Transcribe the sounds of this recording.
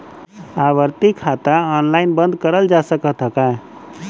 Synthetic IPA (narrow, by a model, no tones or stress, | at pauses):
aβəɾt̪ikʰat̪aɔnlaɪnbə̃nd̪kəɾəld͡ʒasəkət̪ɦəkã